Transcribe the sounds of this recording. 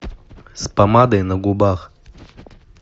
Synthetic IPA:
spɐmad̪ɐjnɐɡʊbax

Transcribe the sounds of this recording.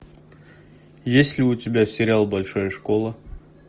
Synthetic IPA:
jesʲlʲɪʊtʲɪbʲasʲɪɾʲɪalˠbɐlʲʂojəʂkolˠə

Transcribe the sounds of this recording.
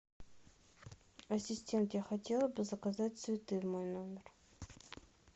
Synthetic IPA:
ɐsʲɪsʲtʲe̞nt̪jaxɐtʲelˠəbɨzɐkɐzatʲsvʲɪt̪ɨjmojnomʲɪr

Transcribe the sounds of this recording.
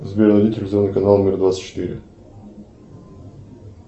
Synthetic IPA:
zbʲernvɐd̪ʲit̪ʲɪlʲzornɨjkɐnalˠnmʲɪrd̪vat̪sɨ̥tʲt͡ɕːɪ̥t̪iɾʲɪ̰

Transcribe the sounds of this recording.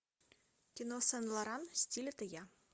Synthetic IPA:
kʲinosɛnlˠɑɾɑnsʲtʲilʲt̪ə̆jɑ

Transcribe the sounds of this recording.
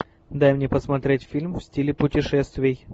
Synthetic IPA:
d̪ajmnʲepəsmɐt̪ɾʲetʲfʲilʲmfsʲtʲilʲɪpʊtʲɪʂɛst̪vʲɪj

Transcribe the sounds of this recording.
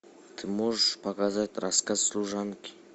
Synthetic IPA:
t̪ʰɨmoʒpʰakazat̪ʲɾaskazslˠuʒankʲi̥

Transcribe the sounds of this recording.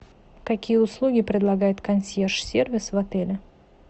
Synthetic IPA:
kɐkʲijəʊslˠuɡʲɪpɾʲɪd̪lˠɐɡajɪt̪kɐnsʲjerʂsʲervʲɪsvɐt̪ɛlʲɪ

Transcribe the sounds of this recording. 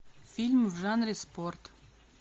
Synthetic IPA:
filʲmvʒɑnresport̪

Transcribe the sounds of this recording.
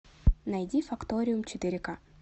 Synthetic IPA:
nɐjdʲifɐkt̪oɾʲɪjumt͡ɕɪt̪ɪɾʲɪka

